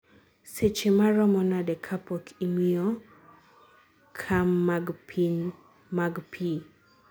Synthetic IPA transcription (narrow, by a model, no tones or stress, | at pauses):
set͡ʃemaɾɔmɔnadɛkʰapɔkʰimiɔ | kʰamːaɡpin | maɡpʰi